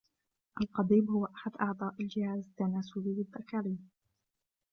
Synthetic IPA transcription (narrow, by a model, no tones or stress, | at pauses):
ʔalqɑd̪iːbhʊwaʔaħad̪ʔɑʕd̪ˤɑːʔald͡ʒɪhaːzd̪anaːsuliːwɪd̪ːakaɾiːn